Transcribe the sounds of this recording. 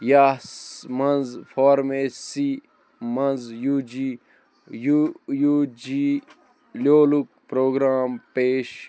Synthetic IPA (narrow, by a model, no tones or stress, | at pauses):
jaːsmɐnzfɔːɾmeːsi | mɐnzjuːd͡ʒi | jujud͡ʒi | loːluk̚pɾoːɡɾaːmpeːʃ